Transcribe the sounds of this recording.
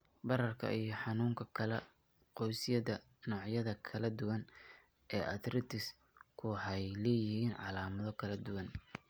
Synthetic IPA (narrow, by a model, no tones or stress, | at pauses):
bɐɾɐrkʰɐ̰ijɞħɑnuːŋkʰɐkʰɐlɛ | qɔjsɪjɐðɐ | nɔːʕjɐðɐkʰɐlɐd̪ʊwɐn | ʔɛːʔɐd̪rɪt̪ʰɪs | kʰʊħɛjlɛːjɪhiːnʕɑ̰laːmɐðɔkʰɐlɐd̪ʊwɐn